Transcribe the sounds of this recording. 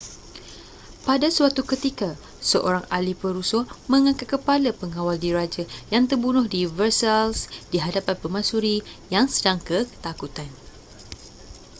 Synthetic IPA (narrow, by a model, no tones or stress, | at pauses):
padasuat̪ukət̪ika | səʔoɾaŋalipəɾusɔmə̃ŋãkat̪̚kəpalapəŋawaldiɾad͡ʒajaŋt̪ərbunʊhdivərsalsdiɦadapanpəmãsuɾijaŋsədaŋkət̪akut̪an